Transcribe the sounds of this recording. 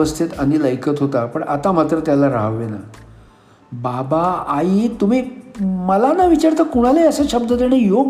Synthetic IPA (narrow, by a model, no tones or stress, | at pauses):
əst̪ʰit̪əñiləjkət̪ɦot̪apəɳʔat̪amat̪ɾət̪jalaɾa̰ɦʋːena̰ | babaːit̪um̤iːməlanaʋit͡ɕaɾt̪əkuɽ̃aleəsəɕəbd̪ət̪eɽ̃ejoɡ